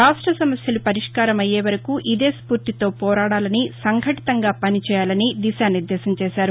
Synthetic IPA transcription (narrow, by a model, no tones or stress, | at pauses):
ɾaːʂʈɾɐsɐmɐsjɐlupɐɾiʂkaːɾɐmɐjeːʋɐɾɐkuʔid̪eːspuːɾt̪it̪o̞ːpɔːɾaːɽaːlɐnisɐŋɡʱɐʈi̥t̪ɐŋɡaːpɐnit͡ʃɛːjaːlɐnid̪iʃaːniɾd̪ɛːsɐmt͡ʃɛːsaːɾu